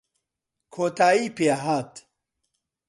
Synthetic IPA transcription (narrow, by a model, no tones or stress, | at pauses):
kʰoːt̪aːiːpeaɦaːt̪